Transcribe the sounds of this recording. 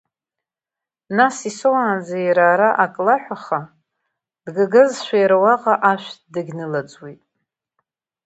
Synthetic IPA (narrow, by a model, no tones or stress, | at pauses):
nasisowaːnd͡zajɾaːɾaʔakʼlaħʷᶣaχa | d̥ɡaɡɨzʃʷᶣajɾawaqʼaʔaʃʷᶣdɨɡʲnɨlat͡sʼwitʼ